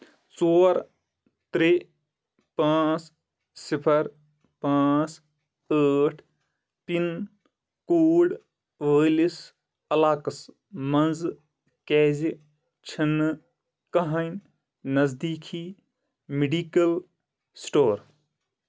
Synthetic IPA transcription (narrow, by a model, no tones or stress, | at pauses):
t͡soːɾ | t̪ɾe | pãːt͡s | sipʰɐɾ | pãːt͡s | əːʈʰ | pin | koːɖ | ʋeːlis | ɐlaːkɐs | mɐnz | keːz | t͡ʃʰinːɨ | kɐɦan | nɐzd̪iːkʰi | miɖiːkɐl | sʈoːɾ